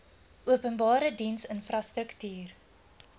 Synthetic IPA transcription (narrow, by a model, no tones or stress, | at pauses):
ʔuəpənbɑːɾədinsənfrɐstɾəktyːr